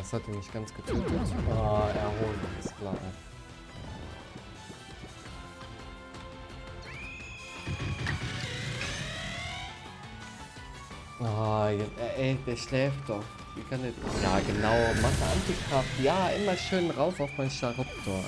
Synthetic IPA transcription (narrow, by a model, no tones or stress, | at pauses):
ashat̚iːmɪçtɡ̥ant͡sɡ̥ətʰøːtətʔaːʔɛɐɦoːlənaɪskʰl̥a̰ːʔa̰ | ʔaːjɛʔɛd̥eːɐʃlɛːftd̥ɔχ | viːkʰandeːdjaːɡənaʊmaχdəʔantikʁ̥aftjaːʔɪmɐʃøːnʁaʊfaʊfmaɪnʃaʁʊp̚tʰoːɐ